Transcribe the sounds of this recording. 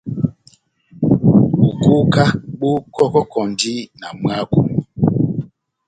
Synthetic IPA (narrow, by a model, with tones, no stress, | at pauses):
ɓu˨ku˦ka˦ɓu˦kɔ˦kɔ˦kʰɔ˨ndi˦na˨mɰa˦ku˨m˨